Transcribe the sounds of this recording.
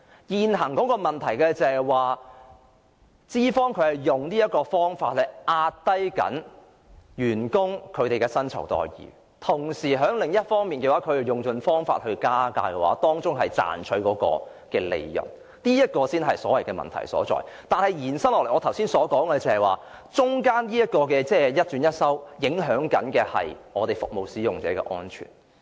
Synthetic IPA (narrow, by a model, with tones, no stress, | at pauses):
jiː˨nɦɐ˨˩ŋkɔː˨˥kɔː˧mɐ˨˩nt̪ʰɐ˨˩jkɛː˧t͡sɛ˨waː˨ | t͡siː˥fɔː˥ŋkʰɵ˨˧ɥhɐ˨jːʊ˨ŋniː˥jɐ˥t̚kɔː˧fɔː˥ŋfa̰ː˧t̚hɐ˨˩ʔaː˧t̚t̪ɐ˥jkɐ̰˨˥n | jyː˨˩nkʊ˥ŋkʰɵ˨˧t̪e˨jkɛː˧sɐ˥nt͡sʰɐ˨˩wt̪ɔ̰ː˨jjḭː˨ | t̪ʰʊ˨˩ŋsiː˨˩ɦœː˨˥ŋlɪ˨ŋjɐ˥t̚fɔː˥ŋmiː˨nkɛː˧waː˨˥kʰɵ˨˧jjʊ˨˩ŋt͡ʃɵ˧nfɔː˥ŋfa̰ː˧t̚hɵ˧ɥkaː˥ka̰ː˧kɛ˧wa̰ː˨˥t̪ɔː˥ŋt͡sʊ˥ŋɦɐ˨jt͡sa̰ː˨nt͡ʃʰɵ˨˧ɥkɔː˨˥kɔ̰ː˧ | kɛː˧lḛ˨˧jːɐ̰˨˩n | niː˥jɐ˥t̚kɔː˧siː˥nɦɐ˨jsɔː˨˥wɐ˨˩jkɛː˧mɐ̰˨nt̪ʰɐ̰˨˩jsɔ̰ː˨˥t͡sɔ̰ː˨˩jt̪aː˨nhɐ˨jjiː˨˩nsɐ˥ŋlɔ˨lŋɔː˨˧t̪ʰɐ˨˩wsiː˥nsɔː˨˥kɔː˨˥ŋkɛ˧t͡sɐ˨˩hɐ˨jwaː˨ | t͡sʊ˥ŋkaː˥njiː˥jɐ˥t̚kɔː˧kɛː˧t͡sɛː˥˩jɐ˥t̚t͡ʃy˨˧˥njɐ˥t̚sɐ˥wjɪ˨˥ŋɦœː˨˥ŋkɐ˨˥nkɛː˧hɐ̰˨jŋɔː˨˧t̪e˨˩jfʊ̰˨k̚mo˨wsiː˨˥jʊ˨˩ŋt͡sɛ̰ː˨˥kɛ̰ː˧ʔɔ̰ː˥nt͡ʃʰy̰ː˨˩n